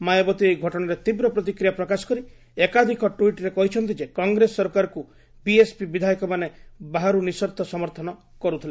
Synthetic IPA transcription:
majɔbɔt̪iejɡʱɔʈɔɽ̃aɾet̪ibɾɔpɾɔt̪̬ikɾijapɾɔkasɔ̥kɔɾi | ekad̪ʱikɔʈuiʈɾekɔɦit͡ʃʰɔnt̪id͡ʒekɔŋɡɾesːɔɾkaɾɔku | biespibid̪ʱajikɔmanebaɦaɾunisɔɾt̪ʰɔsɔmɔɾt̪ʰɔnɔ | kɔɾut̪ʰile

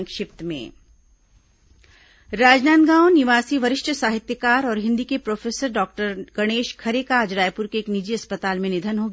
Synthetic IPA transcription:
ŋkʃɪpt̪mḛ̃ː | ɾaːd͡ʒnaːnd̪ɡãːwnɪʋaːsiʋɐɾɪʃʈʰəsaːɦɪt̪jəkaːɾɔːɾɦɪ̃nd̪ikepɾoːfʰeːsəɾɖɔːk̚ʈəɾɡ̥ɐɽ̃eːʃkʰɐɾekaːd͡ʒɾaːjpʊɾkeːknid͡ʒiɐspət̪aːlmẽnɪd̪ʱənɦoɡ

